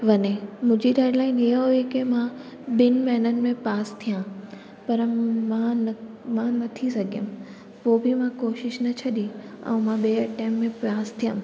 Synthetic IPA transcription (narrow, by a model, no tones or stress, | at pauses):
ʋɐɲemʊ̃ːd͡ʑiɖaːɪɖlaːɪnɦiɦəɦoekemã | ɓɪn̆mɐɦɪnənɪ̆mẽpaːst̪ʰijã | pɐɾmãn | mãnɐt̪ʰisɐɡʱijəm | poːbʱɪmãkoːʃɪʃnɐt͡ɕʰɐɗĩɐ̰̃mãɓeːəʈẽːmːẽpaːst̪ʰijəm